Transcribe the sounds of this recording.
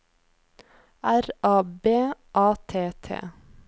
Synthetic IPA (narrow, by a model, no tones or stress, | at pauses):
ʔæɾɑːbeːʔɑːt̪ʰeːt̪ʰḛː